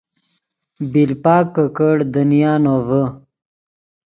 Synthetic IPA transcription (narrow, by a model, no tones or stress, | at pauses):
bilpaːkːəkəɽd̪ənijaːnoːvə